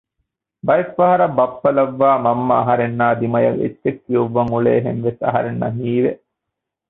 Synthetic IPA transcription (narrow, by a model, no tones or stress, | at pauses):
bɐjɐfːɐɦɐɾɐbɐpːɐlɐʋːaːmɐmːɐːɦɐɾenːaːd̪imɐjɐʋḛtːekːijuʋːɐŋuɭḛːɦḛnʋesɐ̰ɦɐ̰ɾenːɐ̰ɦiːʋe